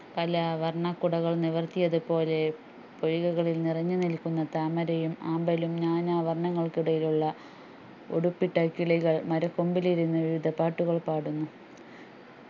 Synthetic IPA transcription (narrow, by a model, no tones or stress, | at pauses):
pɐlɐʋɐrɳɐkːuɽɐɣɐɭniʋɐrt̪ijɐðɨpo̞ːle̞ | pojuɣɐɣɐɭilnirɐɲːunilkunːɐt̪aːmɐɾɐjumaːmbɐlumɲaːɲaːʋɐrɳɐŋːɐɭkiɽɐjiluɭːɐ | o̰ɽupːiʈːɐkːiɭiɣɐɭmɐɾɐkːombiliɾunːɐʋiʋid̪ʱɐpːaːʈːuɣɐɭpaːɽunːu